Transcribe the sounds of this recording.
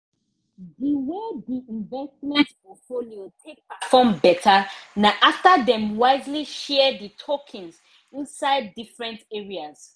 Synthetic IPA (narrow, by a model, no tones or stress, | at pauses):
diwediĩnvɛstmɛ̃ntpɔtfoliotʰek̚patfɔ̃mbɛtʰənaʔaftəðɛ̃mwaɪzliʃɛəditʰɔkʰĩnz | ĩnsaɪdːifɹɛ̃ntɛɹiaz̥